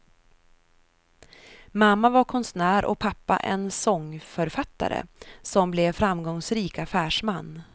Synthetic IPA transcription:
mamːavaɾkʰɔnsnæːɾʔɔ̰pʰapːa̰ʔɛnsɔŋːfœɾfat̪ːa̰ɾə̰sɔmblɛvfɾamːɡɔŋsɾiːkafæːʂmanː

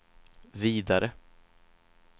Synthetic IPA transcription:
viːd̪aɾʔə

